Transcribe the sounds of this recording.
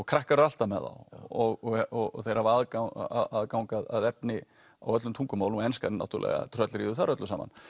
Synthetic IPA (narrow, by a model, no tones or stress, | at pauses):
ɔkʰɾahkaɾʏal̥t̪amɛ̰ða̰wɔɣɔɔɣɔθejɾavaðkaaðkawŋkaðaðɛpnɪ | awœt̪lʏmt̪ʰuŋkʏmaːwlɛnskaɾɪna̰wt̪ʏɾlɛ̰ɣa̰t̪ʰɾœt̪lɾiːðʏθaɾœt̪lʏsaːma̰n